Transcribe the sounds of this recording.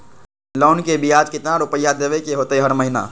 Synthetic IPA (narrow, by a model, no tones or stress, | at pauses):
lɔːʊnkebʱijaːd͡ʒkɪt̪naɾʊpəjːad̪eːʋekeɦoːt̪ɦeɦəɾməɦɪna̰ː